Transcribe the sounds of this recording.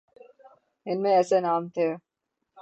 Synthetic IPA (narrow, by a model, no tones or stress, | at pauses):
ɪnmẽɛːsenaːmt̪ʰeː